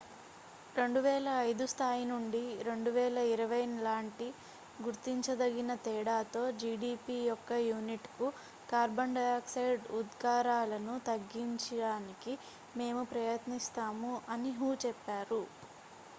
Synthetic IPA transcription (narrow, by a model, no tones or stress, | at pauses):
ɾe̞ɳɖuʋɛːlɐːjd̪ust̪ʰaːjinuɳɖiɾe̞ɳɖuʋɛːlɐiɾɐʋɐjnlaːɳʈi | ɡuɾt̪ːiɲt͡ʃɐd̪ɐɡinɐt̪ɛːɽaːt̪o̞ːd͡ʒiːɖiːpijɔkːɐjuːniʈku | kaːɾbɐɳɖɐjaːksɐjɖud̪ɡaːɾaːlɐnut̪ɐɡːiɲt͡ʃɐɽaːniki | me̞ːmupɾɐjɐt̪nist̪aːmuɐniɦuːt͡ʃɛpːaːɾu